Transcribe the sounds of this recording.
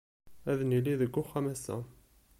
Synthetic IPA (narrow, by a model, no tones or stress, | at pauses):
æðnilːiðəɡːʊχːæmæsæ̰